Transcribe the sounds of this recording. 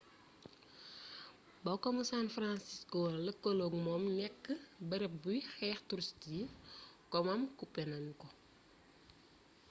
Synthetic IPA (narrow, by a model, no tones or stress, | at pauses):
bɐkɔmusanfɾansiskoləkːoloɡmɔmnɛkːəbɐɾɛp̚bujxɛːxtuɾstikɔmɐmkupɛnɐnkɔ